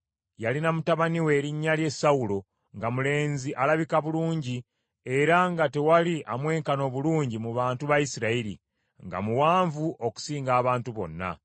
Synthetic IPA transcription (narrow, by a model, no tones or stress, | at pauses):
jalinamutaβaniwe̞ːɾiɲːalje̞saulo̞ | ŋɡamule̞ːnziʔalaβikaβuluːɲɟi | e̞ɾaŋɡate̞waliʔamwe̞ːŋkano̞βuluːɲɟimuβaːntuβajisiɾaiɾḭ | ŋɡa̰muwaːɱvuʔo̞ku̥siːŋɡaːβaːntuβo̞̰nːa̰